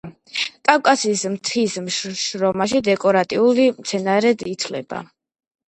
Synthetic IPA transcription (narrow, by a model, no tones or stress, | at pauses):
kʼawkʼasismt̪ʰismʃɾɔmaʃ̬id̪ɛkʼɔɾat̪ʼiulimt̪sʰɛnaɾɛd̪it̪ʰlɛ̰ba̰